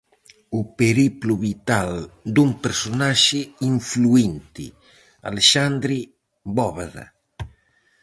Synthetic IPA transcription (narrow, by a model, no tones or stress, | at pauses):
upeɾipluβit̪ald̪umpeɾsonaʃiiɱfluint̪ḭ | a̰leʃand̪ɾi | bɔβaða̰